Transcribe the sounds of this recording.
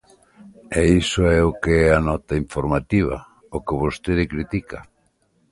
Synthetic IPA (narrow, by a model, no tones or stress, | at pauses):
ɛisoɛokeɛanɔt̪aiɱfoɾmat̪iβ̞a̰ | okeβost̪eðɪkɾit̪ika